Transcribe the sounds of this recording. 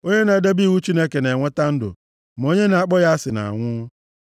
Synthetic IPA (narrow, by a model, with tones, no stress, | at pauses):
o˦ɲe˦na˨˦da˦bi˦˨wu˦t͡ʃi˦ne˦ke˨ne˨ŋʷe˦ta˦n̩˦dʊ̰˨ | m˨o˦ɲe˦na˨a˦k͡pɔ˦ja˦sɪ˨na̰˨ŋʷʊ˦